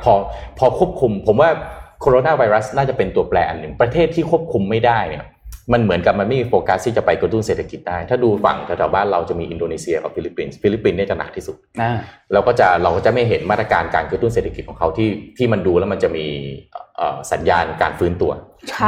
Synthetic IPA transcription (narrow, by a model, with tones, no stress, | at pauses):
pʰɔː˧pʰɔː˧kʰu˥˩əp̚kʰu˧mpʰo˩˦mwaː˥˩kʰoː˧ɾoː˧naː˥˩wa˧jɾa˦˥snaː˥˩t͡ɕa˨˩pe˧nt̪u˧ɐplɛː˧ʔa˧nːɯ˨˩ŋpɾa˧t̪ʰeː˥˩t̪ʰːiː˥˩kʰu˥˩əp̚kʰu˧mːa˥˩jdaː˥˩jnḭ˦˥˩ə | ma˧nmɯ˩˦ənka˨˩p̚ma˧nma˥˩jmiː˧foː˧ka˨˧˥st̪ʰiː˥˩t͡ɕa˨˩pa˧jkɾa˧t̪u˥˩nseː˨˩t̪ʰːa˧ki˨˩t̪̚daː˥˩jt̪ʰaː˥˩duː˧fa̰˨˩ŋt̪ʰɛ˧˩t̪ʰɛː˨˩˦wbaː˥˩nɾa˧wt͡ɕa˨˩miː˧ʔi˧ndoː˧neː˧si˧ɐka̰˨˩fi˧li˦pːiː˧nsfi˧˥li˦˥pːi˧nːi˥˩t͡ɕa˨˩na̰˨˩kt̪ʰiː˥˩su˨˩t̪̚a˧lɛː˦˥wkɔː˥˩t͡ɕa˨˩ɾa˧wkɔː˥˩t͡ɕa˨˩ma˥˩jɦe˩˦nmaː˥˩t̪ɾa˧kaː˧nka̰ː˧nkɾa˧t̪u˥˩nseː˨˩t̪ʰa˧˩ki˨˩kʰɔ˨˦kʰa˦˥wt̪ʰiː˥˩t̪ʰiː˥˩ma˧nduː˧lɛː˦˥wma˧nt͡ɕa˨˩miː˧ʔːʔəː˨˩sa˩˦njaː˧nkaː˧nfɯː˦˥nt̪u˧ɐ | t͡ɕʰ